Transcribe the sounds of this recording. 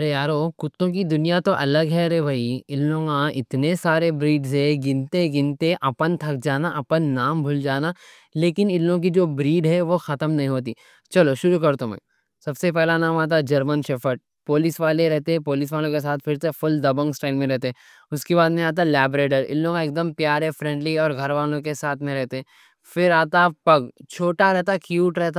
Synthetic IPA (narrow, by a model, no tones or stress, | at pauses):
ɐɾejaːɾoːkʊt̪ːõk̬id̪ʊnijat̪oʔɐləɡɦɛɾɛbʱaːiɪlːõːkãɪt̪nesaːɾebɾiːɖzɦɛɡɪnt̪eɡɪ̃nt̪eʔɐpənt̪ʰɐk̚d͡ʒaːnaʔɐpənːaːmbʱʊld͡ʒaːna | leːkɪnɪlːõk̬id͡ʒoːbɾiːɖɦɛʋoxɐt̪əmnɐɦĩɦoːt̪̬iː | t͡ʃɐloʃʊɾukɐɾt̪õmɛ̰̃ː | sɐbsep̬ɛɦlanaːmaːt̪̬ad͡ʒɐɾmənʃɐfəʈ̚ | poːlɪsʋaːleɾɛɦt̪eɦɛ̃poːlɪs̬ʋaːlõkes̬aːt̪ʰfɪɾsefʊld̪ɐbə̃ŋɡsʈaːɪlmẽɾɛɦt̪eɦɛ̃ | ʊskebaːd̪mẽaːt̪̬alɛːbɾeːʈəɾɪ̰lːõkaeːk̚d̪əmpjaːɾɦɛfɾɛ̃ːɳɖliɔːɾɡʱɐɾʋaːlõkesaːt̪ʰmẽɾɛɦt̪eɦɛ̃ | fɪɾaːt̪apɐɡt͡ʃʰoːʈaɾɛɦt̪akjuːʈɾɛɦt̪a